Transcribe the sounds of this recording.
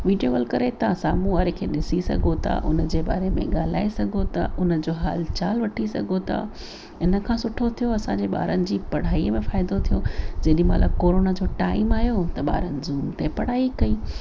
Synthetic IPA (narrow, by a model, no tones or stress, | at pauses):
ʋiːɖijoɡɐːlkɐɾet̪ɐsaːmuaːɾekʰḛːɗɪsisɐ̰ɡʱot̪ʰa̰ʔʊnəd͡ʑeːɓa̰ːɾemḛ̃ɠaːl̤aːisɐɡʱot̪ʰa̰ʔʊnəd͡ʑoːɦa̰ːlt͡ɕaːlʋɐʈʰisɐ̰ɡʱot̪ʰa̰ | ɪnə̆kʰãːsʊʈʰot̪ʰijoɐsãɲd͡ʑeɓa̰ːɾənɪ̆d͡ʑiːpɐɽ̤aːiəmẽfaːɪd̪ot̪ʰijod͡ʑɐɦɗĩmɐ̰ləb̚koːɾoːnad͡ʑoːʈaːɪmaːjot̪ɐɓa̰ːɾənɪ̆zuːmt̪epɐɽ̤aːikɐiː